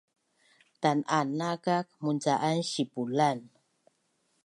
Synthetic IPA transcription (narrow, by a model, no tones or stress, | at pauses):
tananakak̚munt͡saʔanɕipulan